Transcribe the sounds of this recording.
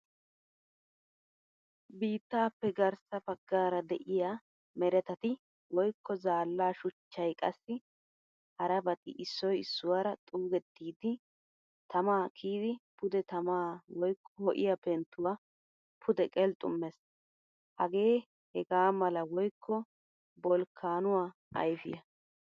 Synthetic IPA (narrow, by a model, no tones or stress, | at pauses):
biːt̪ːaːpːɛɡɐɾsɐpɐɡːaːɾɐd̪ɛʔɪja | mɛɾɛt̪ɐt̪ɪ | wɔjkːɔzaːlːaːʃʊt͡ʃːɐjkʼɐsːɪ | hɐɾɐbɐt̪ʼɪ̰ʔɪsːɔjɪsːʊwaːɾɐt̪ʼuːɡɛt̪ːiːd̪ɪ | t̪ɐmaːkʰiːd̪ɪpʊd̪ɛt̪ɐmaːwɔjkʰːɔhɔʔɪjɐpɛnt̪ːʊwaː | pʰʊd̪ɛkʼɛlt̪ʼʊ̰mːɛs | hɐɡe̞ː | hɛɡaːmɐlɐwɔjkʰːɔ | bɔlkʰːaːnʊwaː | ɐ̰jfɪjɐ